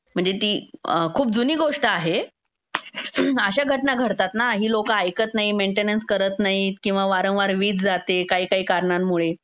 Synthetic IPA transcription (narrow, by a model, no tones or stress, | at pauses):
m̤əɳd͡zet̪iːkʰuːp̚d͡zuniːɡoʂʈəaɦe | əɕaɡʱəʈnaɡʱəɾt̪at̪naɦiːlokaːjkət̪naɦimeɳʈenənskəɾət̪naɦikĩw̃ʋaʋaɾə̃w̃ʋaɾʋiːd͡zd͡zat̪ekaɦiːkaɦiːkaɾɳamːuɭe